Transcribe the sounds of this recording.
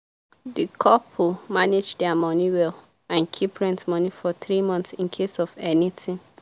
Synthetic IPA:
dikʰɔpʰumaned͡ʒdɛamɔniwɛl | ãnkʰipʰɹɛ̃ntmɔnifɔθɹimɔ̃nθsĩnkʰesɔvɛnitĩŋ

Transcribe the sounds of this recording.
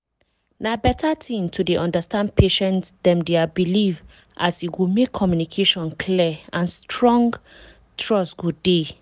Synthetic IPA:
nabɛtʰatʰĩntʰudeʔɔ̃ndastãnd̚pʰeʃɛ̃ntsdɛ̃mdeabiliv | ʔasiɡumekʰːɔmjunikʰeʃɔ̃nkʰliãnstɹɔ̃ŋɡ | tʰɹɔsɡude

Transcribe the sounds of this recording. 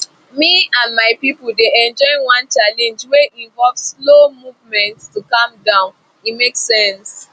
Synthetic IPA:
miãnmaɪpipul̩deɛ̃nd͡ʒɔɪ̃nwãnt͡ʃalɛ̃nd͡ʒweʔĩnvɔlvslomuvmɛ̃ntstukʌ̃mdãʊ̃n | imeksɛ̃ns

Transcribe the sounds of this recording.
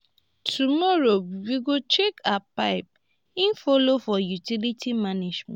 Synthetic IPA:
tʰumɔɹowiɡot͡ʃekʰapaɪp̚ | ĩnfɔlofɔjutilitimaned͡ʒmɛ̰̃

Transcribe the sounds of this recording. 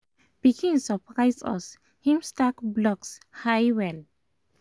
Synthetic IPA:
b̥ikʰĩnsɔpɹajsɔ̰s | hĩmstakblɔkshajwɛl

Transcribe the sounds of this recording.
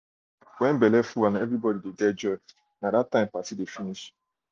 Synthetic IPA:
wɛm̩bɛlɛfuwanaevɾibɔdididɛd͡ʒɔ | nadatːãɪ̃mpasidefiniʃ

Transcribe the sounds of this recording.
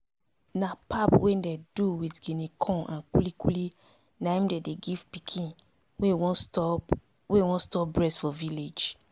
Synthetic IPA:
napʰapwɛndɛduwitɡinikʰɔ̃nãnkulikuli | naĩmdedeɡiv̥pikʰĩn | wewɔ̃ | wewɔ̃nstɔp̚bɹɛsfɔviled͡ʒ

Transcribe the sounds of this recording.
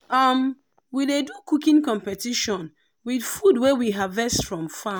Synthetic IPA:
ʌm | widedukukĩnkɔ̃mpɛtiʃɔ̃n | widfudwewiɦavɛstfɹɔ̃mfa

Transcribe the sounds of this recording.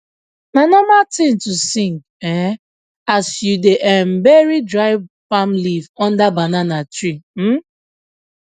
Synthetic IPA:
nanɔmatĩntusĩŋɡ | ɛ | asjudeʔɛm̩beɹidɹaɪv | famlivɔ̃ndabananatɹim̩

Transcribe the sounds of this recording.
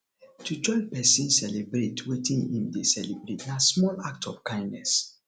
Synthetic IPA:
tʰud͡ʒɔɪpɛsĩnsɛlebɾetwetʰĩnḭ̃mdesɛlebɾetnasmɔlak̚tʰɔfkãɪ̃ndnɛs

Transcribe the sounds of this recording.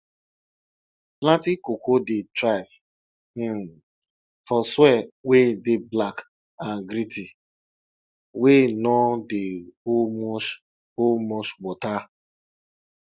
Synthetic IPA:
plãtikokodetɾav̩ | fɔswɛwedeblak | ãnɡɾiti | wenɔdeom | omɔswɔta

